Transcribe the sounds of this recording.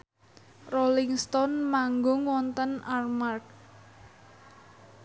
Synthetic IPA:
rolɪŋst̪ɔnmaŋɡʊŋwɔnt̪ənarmark̚

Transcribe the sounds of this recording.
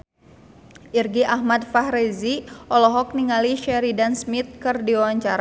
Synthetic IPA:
ʔirɡiʔahmad̪fahɾɛziʔɔlɔɦɔk̚niŋaliʃɛɾidansmit̪̚kɨrdiwawaɲt͡ʃaɾa

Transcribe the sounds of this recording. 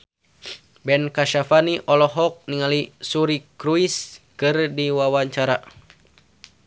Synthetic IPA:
bɛnkaʃafaniʔɔlɔɦɔk̚niŋalisuɾikɾuiskɨrdiwawaɲt͡ʃaɾa

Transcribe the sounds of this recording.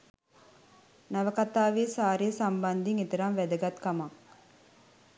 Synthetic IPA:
naʋəkat̪aːʋiəsaːɾiːsamband̪iŋet̪əɾamʋæd̪əɡat̪kamak̚

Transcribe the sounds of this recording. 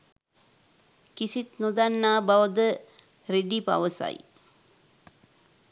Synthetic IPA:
kisit̪nud̪anːaːbaʋəd̪ə | ɾeɖipa̰ʋəsa̰j

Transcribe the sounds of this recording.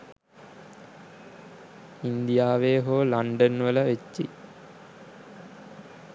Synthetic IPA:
ind̪ijaːʋeːɦoːlaɳɖənʋələʋet͡ʃːi

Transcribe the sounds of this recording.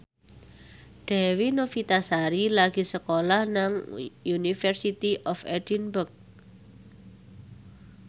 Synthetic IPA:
ɖ̥ɛ̤winofit̪asaɾilaɡ̥i̤səkolahnaŋjunifərsit̪iʔɔfɛ̰d̥inbʊk̚

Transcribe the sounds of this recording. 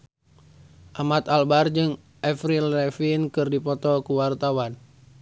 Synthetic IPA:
ʔamat̪albard͡ʒɨŋ | ʔɛfɾilɛfinkɨrdipɔt̪ɔkuwart̪awan

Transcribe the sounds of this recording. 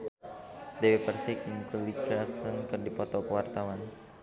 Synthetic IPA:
dewepərsɪk̚uŋkulikɾaksɔnkɨrdipɔt̪ɔkəwart̪awan

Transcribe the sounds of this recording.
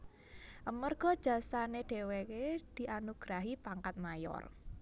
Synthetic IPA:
ʔəmərɡ̥ɔ̤d̥ʒ̥a̤saneɖ̥e̤weked̪̥i̤ʔanuɡ̥ɾaɦipaŋkat̪̚majɔ̰r

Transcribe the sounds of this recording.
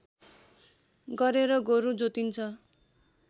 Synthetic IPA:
ɡʌɾeɾʌɡoɾud͡zot̪int͡sʰʌ

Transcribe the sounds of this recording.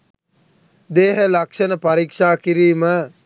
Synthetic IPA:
d̪eːɦəlakʂənəpaɾiːkʂaːkiɾiːmə

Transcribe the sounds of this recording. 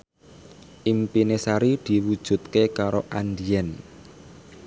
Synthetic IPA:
ʔimpinesaɾid̪̥i̤wud̥ʒ̥ṳt̪̚kekaɾoʔand̪iɛn

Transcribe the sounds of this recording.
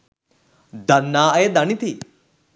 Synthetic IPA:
d̪ɐnːaːɐed̪ɐnit̪i

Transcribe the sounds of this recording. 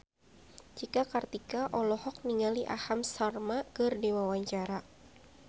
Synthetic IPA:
d͡ʒikakart̪ikaʔɔlɔhɔk̚niŋaliʔa̰hamsarmakɨrdiwawaɲt͡ʃaɾa

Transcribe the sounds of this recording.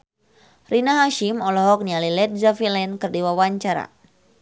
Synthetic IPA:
rinaɦaʃimɔlɔɦɔk̚nialilɛt̪̚zafilɛnkərdiwawaɲt͡ʃaɾa̰

